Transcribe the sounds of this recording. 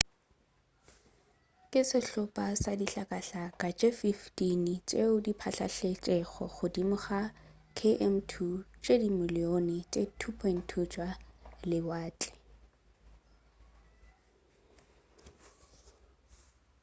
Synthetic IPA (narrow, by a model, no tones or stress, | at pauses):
kʼɪsɪɬʊpʼasadiɬakʼaɬakʼat͡ʃʼefiftint͡ʃʼeʊdipʰaɬa̰ɬet͡ʃʼɛɣɔ̰χʊdimʊχa | kʰeʔɛm̩tʰut͡ʃʼedimɪlɪonɪt͡ʃʼetʰupʰɔn̩tʰut͡ʃʼwalɪwaːt͡ɬʼɛ̥